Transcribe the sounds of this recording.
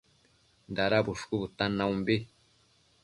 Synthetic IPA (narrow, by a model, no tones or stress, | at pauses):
nd̪aɾabʊʂkubut̪anaumbi